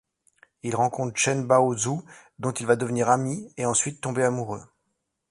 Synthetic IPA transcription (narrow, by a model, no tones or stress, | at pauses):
ilʁɑ̃kɔ̃t̪χʃɛnbaozu | d̪ɔ̃t̪ilvad̪əvniʁamieɑ̃sɥit̪ːɔ̃beamuʁø̰